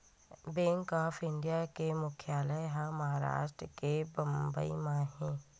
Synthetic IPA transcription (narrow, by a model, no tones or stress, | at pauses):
bẽːŋkɔːfʰɪ̃ɳɖijakemʊkʰjaːləɦãmɐɦaːɾa̰ːʃʈɾəkebɐ̃mbəḭmãɦɛ̃ː